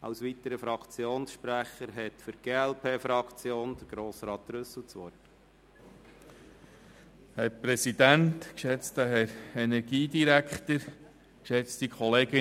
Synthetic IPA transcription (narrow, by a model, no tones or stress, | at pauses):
ʔɑ̰wsʋit̪əɾəfɾɑkt͡sjoːnsʃpɾæχəɾɦɛt̪fʏɾɡ̥eːælpʰeːfɾɑkt͡sjoːnd̥̪əɾɡ̥ɾoːsɾɑːt̪ɾʏsl̩t͡sʋɔt | hɛɾpɾɛsid̪ænt̪kʃɛt͡stəɦɛɾɛnɛɾɡiːdiɾækχt̪əɾ | kʃɛt͡st̪ikχɔleːɡɪ